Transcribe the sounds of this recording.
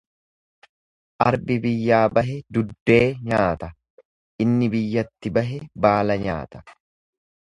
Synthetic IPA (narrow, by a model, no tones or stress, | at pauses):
ʔɐɾbɪbɪjːaːbɐɦɛd̪ʊd̪ːe̞ːɲaːt̪ɐ | ʔɪnːɪbɪjːɐt̪ːɪbɐɦɛbaːlɐɲa̰ːt̪ɐ̥